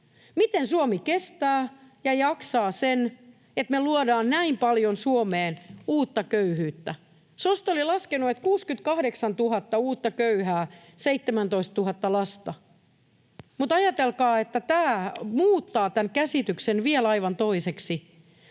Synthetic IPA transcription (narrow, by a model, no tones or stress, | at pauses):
mit̪ensuomikest̪æːjɑjɑksɑːsen | et̪meluodɑːnnæimpɑljonsuomeːnuːt̪ːɑkøyhyːt̪ːæ | sost̪olilɑskenuet̪kuːskyt̪̚kɑhɾeksɑnt̪uɦɑt̪ːɑuːt̪ːɑkøyhæː | seit̪ːemænt̪oist̪tuɦɑt̪ːɑlɑst̪ɑ | mut̪ɑjɑt̪elkɑːet̪ːæt̪æːmuːt̪ːɑːt̪ænkæsit̪yksenʋiɛlɑiʋɑnt̪oiseksi